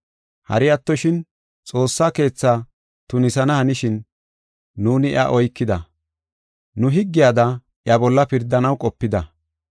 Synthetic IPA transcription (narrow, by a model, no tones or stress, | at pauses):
hɐ̰ɾɪjɐt̪ːɔʃɪn | t͡sʼo̞ːsːaːke̞ːt͡sːaː | t̪ʊnɪsɐnɐhɐnɪʃɪnː | uːnɪʔɐ̰ʔɔjkːɪd̪ɐ | nʊɦɪɡːɪjaːd̪ɐ | ʔjɐbɔlːɐpɪɾd̪ːɐnɐwkʼɔpːɪd̪ɐ